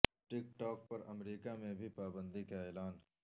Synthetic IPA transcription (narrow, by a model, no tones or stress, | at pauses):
ʈɪk̚ʈɔːk̚pɐɾɐmɾiːkamẽbʱipaːbə̃nd̪ikaeːlaːn